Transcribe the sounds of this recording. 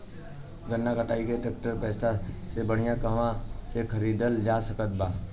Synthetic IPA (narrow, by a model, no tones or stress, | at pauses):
ɡənːakəʈaːiɡeeʈək̚ʈəɾpɛːsasebəɽ̤ijãkɐɦmãsekʰəɾiːd̪əld͡ʒaːsəkət̪̚baː